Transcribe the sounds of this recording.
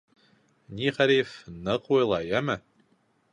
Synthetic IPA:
nʲiχæɾifnɤqujlˠɑjæmɘ

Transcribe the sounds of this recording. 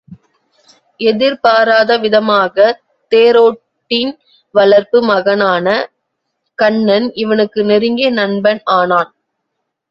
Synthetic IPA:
ʔɛðɪɾpaːɾaːðɐʋɪðɐmaːɣɐ | t̪eːɾoː | ʈːin | ʋɐlɐɾpɯmɐɣɐnaːnɐ | kɐɳːɐnɪʋɐnɯkːɯnɛɾɯŋɡeːnɐɳbɐnaːnaːn

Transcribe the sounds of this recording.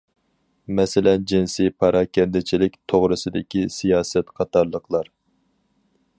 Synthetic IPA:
mɛsɪlɛnd͡ʒinsijpʰɑɾɑkʲʰɛnd̪ɪt͡ʃʰilɪkʲt̪ʰoʁɾɨsɨd̪ɪkʲisijɑːsɛt̪qʰɑt̪ɑɾlˠəqʰlˠɑɾ

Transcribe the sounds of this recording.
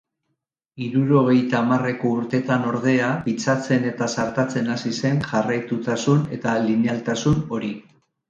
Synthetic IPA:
iɾuɾo̞ɣ̞e̞jt̪aːmare̞ko̞uɾt̪e̞t̪ano̞ɾð̞e̞apit͡sat͡se̞ne̞t̪asaɾt̪at͡se̞nasise̞nʝarajt̪ut̪asune̞t̪alinealt̪asuno̞ɾi

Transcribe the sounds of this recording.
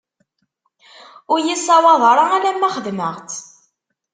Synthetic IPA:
ʊɾjisˤɑwɑðˤɾˤɑæɾæmːæχəðməʁt͡s

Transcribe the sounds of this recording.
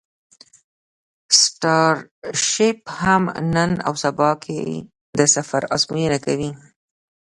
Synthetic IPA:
sʈɑɾʃɪphamnəna̰wsabɑkʰḛ | d̪əsafaɾazmujenakawi

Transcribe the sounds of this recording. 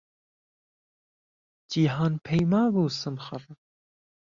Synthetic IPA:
d͡ʒiːɦɑːnpʰɛjmɑːbuːsɨmxər

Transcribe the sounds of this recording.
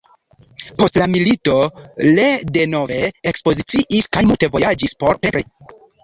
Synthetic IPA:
po̞stlamilito̞lede̞no̞ve̞ːkspo̞zit͡siʔiskajmulte̞vo̞jad͡ʒispo̞ɾpeɾe

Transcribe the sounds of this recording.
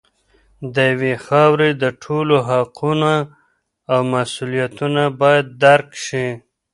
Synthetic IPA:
d̪əjawexɑwɾed̪əʈʰoloɦaqunaː | wmasulijat̪unabɑjad̪̚ːaɾkʃi

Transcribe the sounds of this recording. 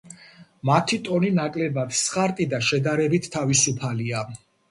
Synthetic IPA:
mat̪ʰit̪ʼɔninakʼlɛbad̪̥sχʼaɾt̪ʼid̪aʃɛd̪aɾɛbit̪ʰːavisupʰalia

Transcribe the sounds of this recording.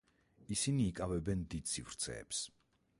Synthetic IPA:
isiniːkʼavɛbɛnd̪id̪sivɾt̪sʰɛ̰ːps

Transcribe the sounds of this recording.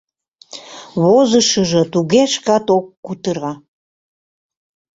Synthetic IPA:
βozəʃəʒət̪uɣeʃkɑt̪okːut̪əɾɑ

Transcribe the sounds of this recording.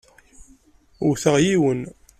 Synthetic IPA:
ʊɾθəʁjiwən

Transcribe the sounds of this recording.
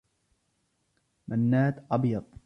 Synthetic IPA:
manːaːt̪ʔɑbjɑt̪ˤ

